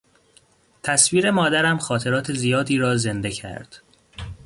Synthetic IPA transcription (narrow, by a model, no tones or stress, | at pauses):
t̪ʰæsviːɾe̞mɒːd̪æɾæmxɒːt̪ʰe̞ɾɒːt̪ʰe̞zijɒːd̪iːɾɒːze̞nd̪e̞cʰæ̰ɾd̪̥